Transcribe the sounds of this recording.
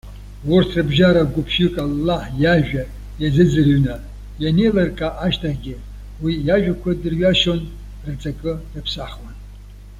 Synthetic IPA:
wʊrtʰrɨbʒaɾaɡʷʊpʰʃʏkʼalːaħjaʒᶣa | jazɨd͡zɨrɥna | janejlarkʼaʔaʃtʰaχɡʲɪ | wijaʒᶣakʷʰadɨrɥaʃon | rɨt͡sʼakʼɨrɨpʰsaχwan

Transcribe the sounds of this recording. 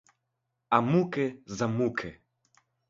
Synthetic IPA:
amukɛzamukʰɛ

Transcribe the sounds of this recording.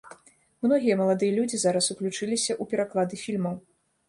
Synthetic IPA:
mnɔɣʲijɐmɐlˠad̪ɨjɐlʲud͡zʲizaɾɐsuklʲut͡ʂɨlʲisʲɐʔupʲɛɾaklˠad̪ɨfʲilʲmɐw

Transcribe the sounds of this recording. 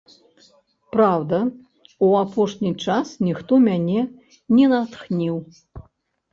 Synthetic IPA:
pɾawd̪ɐ | uapɔʂnʲit͡ʂasnʲixt̪ɔmʲanʲɛ | nʲɛnat̪xnʲiw

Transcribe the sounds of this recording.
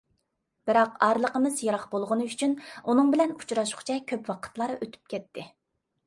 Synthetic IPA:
b̥ɪɾɑqɑɾlˠəqəmɨzjɑɾɑqbolˠʁʊnɨyt͡ʃʰynunɨŋbɪlɛnu̥t͡ʃɾɑʃʊ̥χt͡ʃʰɛkʲʰøpwɑqʰə̥t̪lˠɑɾʔøt̪ʰy̥p̚kʲʰɛt̪ʰːɪ

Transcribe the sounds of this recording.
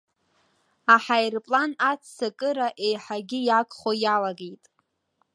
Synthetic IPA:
aħajrpʼlanat͡sʰsakʼɨɾaʔe̞jħaɡʲɪjakʼχojalaɡejtʼ

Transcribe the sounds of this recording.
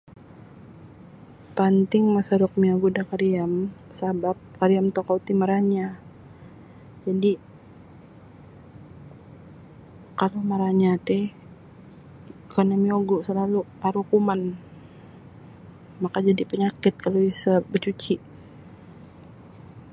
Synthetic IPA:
pant̪ɪŋmasaɾɔk̚mioɡudakaɾiamsabap̚kaɾiamt̪okaut̪imaɾaɲa | d͡ʒadi | kalomaɾaɲat̪ɛ | kanamioɡusəlaluaɾukuman | makad͡ʒadipəɲakɪt̪̚kaloisabət͡ʃut͡ʃiʔ

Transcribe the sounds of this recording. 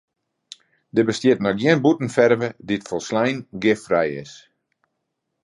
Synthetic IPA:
dəbəstjɪtnɔkjɪnbutn̩fɛrvəditfɔlˠslɛjnɡɪfrɛjɪ̰s

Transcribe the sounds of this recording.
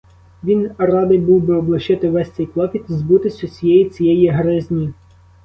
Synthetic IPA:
ʋʲinrɑd̪ɪjbuwbɪɔblˠɐʃɪt̪ɪʋɛsʲt͡s̪ʲɛjplˠɔkʲit̪ʲizbut̪ɪsʲʊsʲijɛjit͡sʲijɛjiɦɾɪzʲnʲi

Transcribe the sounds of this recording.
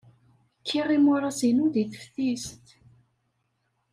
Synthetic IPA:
kʰːirˤːimʊɾˤɑsinuðiθə̥fθist̪

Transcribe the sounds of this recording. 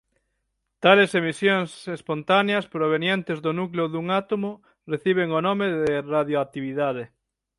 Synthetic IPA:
t̪alesemisjoŋsespont̪aneɐspɾoβ̞enjent̪ezðʊnukleʊðuŋat̪omo | reθiβ̞eŋonomeðeraðjoat̪iβiðaðe

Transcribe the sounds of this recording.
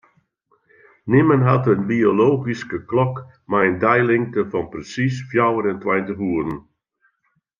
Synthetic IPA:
nɪmənɦɑtənbioloːɣiskəklɔk | majəndɛjlɪŋtəfɑnprəsisfjawəɾɛntwɛjntəɦuːəɾən

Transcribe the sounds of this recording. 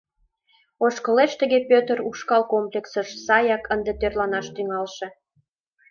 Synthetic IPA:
oʃkəleʃt̪əɣepøt̪əɾuʃkɑlkomplʲeksəʃsɑjɑkənd̪et̪ørlɑnɑʃt̪yŋɑlʃĕ

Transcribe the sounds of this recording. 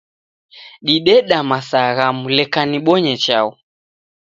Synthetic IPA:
ɗiɗɛɗamasaɣamulɛkaniɓɔɲɛt͡ʃaɔ

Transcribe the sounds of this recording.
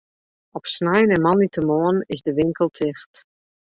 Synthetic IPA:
ɔpsnɛjnəmɔnitʰəmoənɪzdəʋɪŋkʰəlˠtʰɪxt

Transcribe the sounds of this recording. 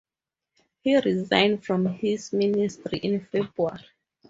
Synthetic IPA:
hiɹizã̰ɪ̃ndfɹɔ̃mhizministɹiʔĩnfebɹua̰ɹi

